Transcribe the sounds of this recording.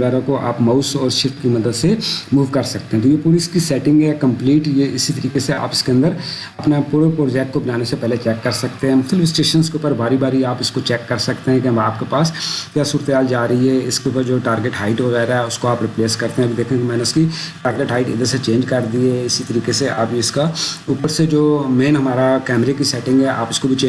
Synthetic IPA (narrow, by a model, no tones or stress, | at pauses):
ɣɛːɾãkoʔa̰ːpmaʊsɔːɾʃɪft̪kimɐd̪əd̪semuːʋkɐɾsɐk̚t̪ẽɦɛ̃t̪ojepuːɾiskisɛːʈɪ̃ŋɡɦɛkɐ̃mpliːʈjeɪsit̪ɐɾiːkesea̰ːpɪskeɐ̃nd̪əɾ | ɐpnapuːɾəpɾoːd͡ʒɛːk̚ʈ̚kobɐnaːnesepɛɦlet͡ʃɛːkːɐɾsɐk̚t̪eɦɛ̃mʊt̪ʰəlɪfɪsʈeːʃənskeʊpəɾbaːɾibaːɾiaːpɪskot͡ʃɛːkːɐɾsɐkt̪eɦɛ̃kiɐmaːp̚kepaːskjaːsuːɾət̪eɦaːld͡ʒaːɾɐɦiɦɛɪskeʊpəɾd͡ʒoːʈaːɾɡeʈɦaːɪʈʋɐɣɛːɾaɦɛʊskoaːpɾɪpleːskɐɾt̪eɦɛ̃ɐbid̪eːkʰẽkmɛ̃ːneʊskiʈaːɾɡeʈɦaːɪʈɪ̰d̪əɾset͡ʃẽːɲd͡ʒkɐɾd̪ieɪsit̪ɐɾiːkeseʔa̰ːpiɪskauːpəɾsed͡ʒoːmeːnɦɐmaːɾakɛːmɾekisɛːʈɪ̃ŋɡɦɛʔa̰ːpʊskobʱit͡ʃe